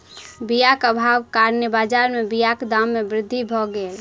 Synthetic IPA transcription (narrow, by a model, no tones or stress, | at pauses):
bijakəbʱabkaɾnəbad͡ʒaɾmebijakd̪amːebɾɪd̪ʱːibʱɔɡel